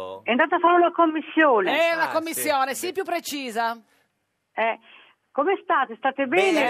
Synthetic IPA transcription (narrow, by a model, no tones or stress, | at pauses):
ɛnt̪aːt̪afanːunakomːisːjoːneɛnakomːisːjoːnesipjupːɾet͡ʃiːza | ɛ | komɛst̪aːt̪est̪aːt̪ebɛːne